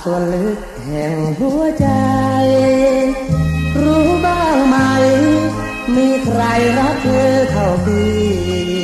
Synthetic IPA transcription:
su˧ən˧hɯ˧˩k̚hɛ˨˩ŋhu˧˥˩ət͡ɕa˧j | ɾuː˦˥baː˧˨˧ŋma˧j | miː˧kʰɾa˧jɾa˦˥k̚kʰɤː˧k̪ʰa˧˩wt̪ʰiː˧˩

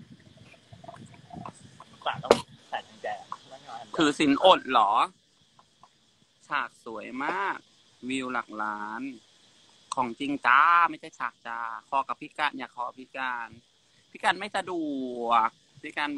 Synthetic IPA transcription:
kaː˨˩lsʰaː˨˩a˧nt͡ɕɛː˧˩˧kʰɯː˧si˩˦nʔo˨˩t̪̚lɔː˩˦ | t͡ɕʰaː˨˩k̚su˨˩˦ə˦jmaː˥˩k̚ | wiː˧wla˨˩k̚laː˦˥nʰː | ɔː˩˦ŋt͡ɕi˧ŋt͡ɕaː˧ma˥˩jtʰa˧˩t͡ɕʰaː˨˩k̚t͡ɕaː˧kʰɔː˧˦ka˨˩pʰi˦˥kaː˧nʔaː˧˩kʰɔː˧˦˧pʰi˦˥kaː˧n | pʰi˦˥kaː˧nma˥˩jsa˧duː˨˩ək̚ | pʰi˦˥kaː˧n

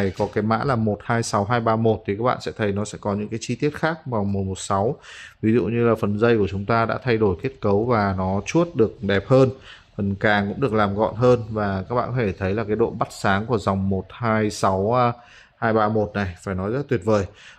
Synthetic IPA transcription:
jkɔ˨˦kaː˨˦jma̰ː˧˥laː˨˩mo˨˩t̚haː˧jsa˨˦wɦaː˧jɓaː˧mo˨˩t̚t̪ʰi˨kaː˦˥k̚ɓa̰ː˧˨sɛ̰˧˥t̪ʰə˨˦jnɔ˨˦sɛ̰˧˥kɔ˨˦ɲɨ̰˧˥ŋkaː˨˦jt͡ɕi˧t̪i˦˥ət̚xaː˦˥k̚ma˨˩m̚˨˩mo˨˩t̚sa˨˦wvi˨˦zṵ˧˨ɲɨ˧laː˨˩fə˨˩nzə˧jku˧˩ət͡ɕʊ˨˦ŋ͡mt̪aː˧ɗa̰ː˧˥t̪ʰa˧jɗo˧˩jke˦˥ət̚kə˨˦wvaː˨˩nɔ˨˦t͡ɕu˦˥ət̚ɗɨ˨˩ək̚ɗɛ˨˩p̚həː˧n | fə˨˩nkaː˨˩ŋkʊ̰˧˥ŋ͡mɗɨ˨˩ək̚laː˨˩mɣɔ̰˧˨nɦəː˧nvaː˨˩kaː˦˥k̚ɓa̰ː˧˨nkʰɔ˧˩e˧˩t̪ʰə˨˦jlaː˨˩kaː˨˦jɗo̰˧˨nɓa˦˥t̚saː˨˦ŋku˧˩əza˨˩wŋ͡mmo˨˩t̚haː˧jsa˨˦w | haː˧jɓaː˧mo˨˩t̚na˨˩jfaː˧˩jnɔ˨˦jzə˦˥t̚t̪wi˨˩ət̚vəː˨˩j

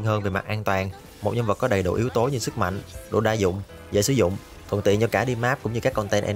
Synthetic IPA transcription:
nɦəː˧nve˨˩ma̰˨˩t̚ʔaː˧nt̪waː˨˩n | mo˨˩t̚ɲɔ˧mvə˨˩t̚kɔ˨˦ɗə˨˩jɗo̰˧˩ʔi˨˦əwt̪o˨˦ɲɨ˧sɨ˦˥k̚ma̰˧˨jŋ̟ɗo̰˧˨˩ɗaː˧zʊ̰˧˨ŋ͡m | zə̰˧˩sɨ˨˦zʊ̰˧˨ŋ͡m | t̪ʰə̰˨˩nt̪ḭ˧˨nt͡ɕɔ˧kaː˧˩ɗi˧maː˦˥p̚kʊ˧˥ŋ͡mɲɨ˧ka˦˥kːɔ˧nt̪ɛ˧nʔɛ˧

